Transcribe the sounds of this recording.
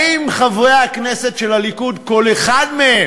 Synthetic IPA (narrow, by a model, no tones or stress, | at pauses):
imχavujaaknese̞tʃe̞lhalikudko̞leχadmee